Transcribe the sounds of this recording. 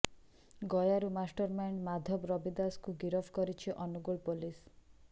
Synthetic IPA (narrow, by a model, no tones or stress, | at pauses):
ɡɔjaɾumasʈɔɾmanmad̪ʱɔbɾɔbid̪askuɡiɾɔfʰkɔɾit͡ʃʰiʔɔnuɡuɭpolis